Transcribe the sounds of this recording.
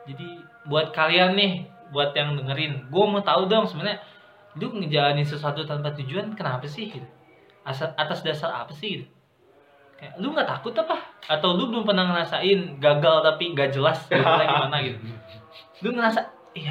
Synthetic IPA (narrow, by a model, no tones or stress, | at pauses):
d͡ʒadi | buat̪̚kalianːɪh | buat̪jaŋdəŋəɾɪnɡuɛmat̪audɔŋsəmənɲa | lʊŋəd͡ʒalanɪns̬əsuat̪ut̪anpat̪ud͡ʒuankənapasɪhɡit̪u | asaat̪asdasara̰pasɪhɡit̪u | kajalʊŋɡat̪akʊt̪apahat̪awlʊbəlʊmpənahŋəɾasaɪnɡaɡalt̪apiŋɡaʔd͡ʒəlastaɡimanaɡit̪u | lʊməɾasa | ja